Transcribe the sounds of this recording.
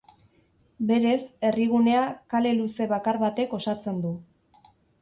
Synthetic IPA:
be̞ɾe̞se̞riɣ̞une̞akale̞luse̞βakaɾβat̪e̞ko̞sat͡se̞nd̪u

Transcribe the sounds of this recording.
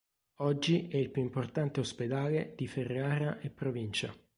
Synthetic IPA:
ɔd͡ʒːiɛilpjuimport̪ant̪eosped̪aːled̪̥iferːeaːɾaʔepːɾovint͡ʃa̰

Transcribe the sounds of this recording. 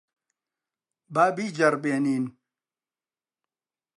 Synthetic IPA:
baːbiːd͡ʑɐɾbeːniːn

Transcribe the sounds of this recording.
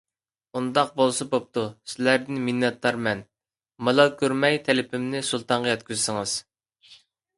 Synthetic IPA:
und̪ɑq̚bolˠsɑbop̚t̪ʰusɪlæɾd̪ɪnmɪnːɛt̪ʰlˠɑɾmɛn | mɑlˠɑlˠkʲʰøɾmɛjt̪ʰɛlɪpʰɪmnɪsulˠt̪ʰɑɴʁɑjɛt̪kʲyzsɪŋɨz̥

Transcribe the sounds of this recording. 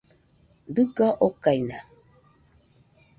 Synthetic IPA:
d̪ɨkaʔokajna

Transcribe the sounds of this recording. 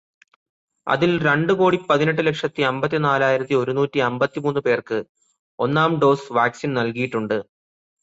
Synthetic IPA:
ɐ̰ðilɾe̞ɳɖɨko̞ːɽipɐðine̞ʈ̬ːɨle̞kʂɐt̪ːiɐmbɐt̪ːinaːlaːjiɾɐt̪ːio̞ɾunuːtːiɐmbɐt̪ːimuːnːupe̞ːrkɨ | o̞nːaːmɖo̞ːsʋaːksinnɐlkijiʈːuɳɖɨ

